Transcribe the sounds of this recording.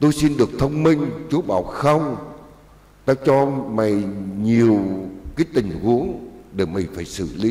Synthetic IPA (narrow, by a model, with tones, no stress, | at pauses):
t̪o˧jsi˧nɗɨ˨˩ək̚t̪ʰə˧wŋ͡mmï˧ŋ̟t͡ɕu˨˦ɓaː˨˩wxə˧wŋ͡m | t̪aː˧t͡ɕɔ˧ma˨˩jɲi˨˩əwkaː˨˦jt̪ï˨˩ŋ̟ɣu˨˦əŋɗe˧˩ma˨˩jfaː˧˩jsɨ̰˧˨li˨˧˦